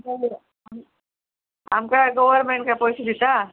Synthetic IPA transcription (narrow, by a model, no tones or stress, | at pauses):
ka | am | a̰mkaɡoʋəɾmeɳʈkajpojsid̪ʱit̪a